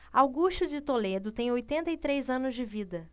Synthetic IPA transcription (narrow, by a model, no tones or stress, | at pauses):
awɡuʃt͡ʃʊd͡ʒɪt̪oled̪ʊt̪ẽj̃ojt̪ẽnt̪ɐit̪ɾejzɐ̃nʊzd͡ʒɪvid̪ɐ